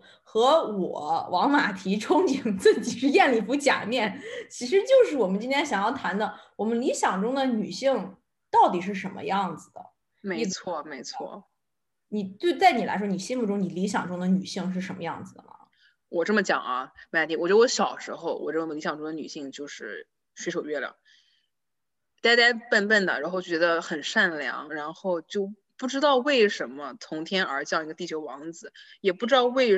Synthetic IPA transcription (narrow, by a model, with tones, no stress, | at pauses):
xɤ˧˥wɔ˨˩˦wʔɑ˧˥ŋma˨˩t̪ʰi˧˥ʈ͡ʂʰʊ˥ŋt͡ɕi˨˩ŋt͡s̩˥˩t͡ɕi˨˩ʂɻ̩˥˧jɛ˥˧nli˥˩pu˧˥t͡ɕja̰˨˩mjɛ˥˩nt͡ɕʰi˧˥ʂɻ̩˧˥t͡ɕjo˥˧ʊʂ̬ɻ̩˥˩wɔ˨˩mə˦nt͡ɕi˥nt̪ʰjɛ˥nɕjɑ˨˩ŋjɑ˥˩ʊt̪ʰa˧˥nd̪ə˧wɔ˨˩mə˦nli˧˥ɕjɑ˨˩ŋʈ͡ʂʊ˥ŋd̪ə˨ny˨˩ɕi˥˧ŋ | t̪ɑ˥˩ʊt̪̬i˨˩ʂ̬ɻ̩˥˩ʂə˧˥nmə̰˧jɑ˥˩ŋd͡zɹ̩˩d̪ə̰˩ | me˧˥ɪ˥t͡sʰwɔ˥˩me˧˥ɪt͡sʰwɔ̰˥˩ | ni˨˩t̪we˥˧ɪt͡sa˥˩ɪni˨˩la̰˧˥ɪʂwɔ˥ni˨˩ɕi˥nmu˥˩ʈ͡ʂʊ˥ŋni˨˩li˧˥ɕjɑ˨˩ŋʈ͡ʂʊ˥ŋd̪ə˨ny˨˩ɕi˥˧ŋʂ̬ɻ̩˥˩ʂə˧˥nmə˧jɑ̰˥˩ŋd͡zɹ̩˨˩d̪ə̰˩mɐ̰˩ | wɔ˨˩ʈ͡ʂɤ˥˩mə˩t͡ɕjɑ̰˨˩ŋɐ˦ma˥t̪ʰi˥˩wɔ˨˩ɥɛ˥ə˥wɔ˧˥ɕjɑ˨˩ʊʂɻ̩˧˥xo˥˧ʊwɔ̰˨˩ʈ͡ʂɤ˥˩mə˧ə˩li˧˥ɕjɑ˨˩ŋʈ͡ʂʊ˥ŋd̪ə˩ny̰˨˩ɕi˥˧ŋt͡ɕjo˥˧ʊʂɻ̩˥˩ | ɕɥe˧˥ɪʂo˨˩ʊɥɛ˥˩ljɑ̰˨˩˦ŋ | t̪a˥˧ɪt̪a˥ɪpə˥˧npə˥˩nd̪ə̰˩ɻa˧˥nxo˥˧t͡ɕjo˥˩t͡ɕɥɛ˧˥d̪ə˧xə˨˩nʂa˥˩nljɑ̰˧˥ŋɻa˧˥nxo˥˧ʊt͡ɕjo˥˧ʊ | pu˥˩ʈ͡ʂɻ̩˥t̪ɑ˥˧ʊwe˥˩ɪʂə˧˥nmə˧t̪ʰʊ˧˥ŋt̪ʰjɛ˥nə̰˞˧˥t͡ɕjɑ˥˩ʊi˧˥ɡə˧t̪i˥˩t͡ɕʰjo˧˥ʊwɑ˧˥ŋd͡zɹ̩˧˩jɛ˨˩pu˥˩ʈ͡ʂɻ̩˥t̪ɑ˥˧ʊwe˥˩ɪ